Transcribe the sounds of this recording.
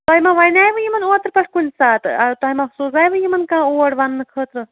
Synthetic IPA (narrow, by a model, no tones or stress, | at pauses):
t̪ɔɦimaʋɐjnʲaːjʋɨjimɐnoːt̪ɾpɐʂkunʲsaːt̪ɨɐt̪oɦimasuːzaːjʋɨjimɐnkãːoːɽʋɐnːɨkʰəːt̪ɾɨ